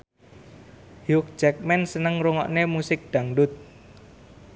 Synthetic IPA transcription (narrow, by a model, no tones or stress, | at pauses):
hjʊk̚t͡ʃɛk̚mɛnsənəŋɾuŋɔ̰ʔnemusɪk̚ɖ̪̥a̤ŋɖʊt̪̚